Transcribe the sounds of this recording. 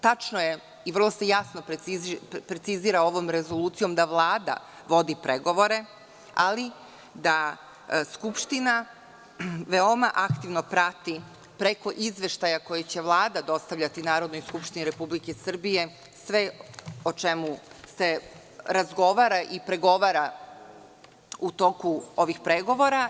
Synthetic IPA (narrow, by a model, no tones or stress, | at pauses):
t̪at͡ʃnoje | iʋr̩lˠo̞se̞jasnopipɾet̪siziːɾao̞ʋo̞mɾe̞zo̞lˠuːt̪sijo̞md̪aʋlˠaːd̪a̰ | ʋo̞d̪ipɾʔeɡo̞ʋo̞ɾe̞ | a̰li | d̪a | skupʃt̪ina | ʋe̞o̞maʔakt̪iʋnopɾat̪i | pɾe̞ko̞ʔizʋe̞ʃt̪ajako̞jet͡ɕe̞ʋlˠaːd̪ad̪o̞st̪aʋʎʲat̪inaːɾo̞d̪nojskupʃt̪iniɾe̞publikesr̩bije̞ | sʋe̞ot͡ʃe̞muse̞ | ɾazɡo̞ʋaːɾaʔipɾe̞ɡo̞ʋaːɾa | ut̪o̞kuo̞ʋixpɾe̞ɡo̞ʋo̞ɾa